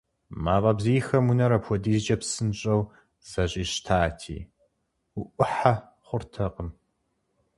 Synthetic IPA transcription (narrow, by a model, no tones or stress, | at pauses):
maːpʼɐbzijxɐmunɐɾɐpʰʷɔdiːzd͡ʒɐpsɨnɕʼɐw | z̥ɐɕʼiːɕtʰaːtʰḭː | uʔʷʊħa | χʷʊrtʰɐqʼəm